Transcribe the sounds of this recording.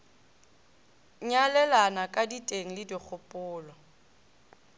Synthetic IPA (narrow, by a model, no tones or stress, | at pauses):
ɲalɛlanakʼaditʼeŋ̩lɪdik͡xʰʊpʼʊːlɔ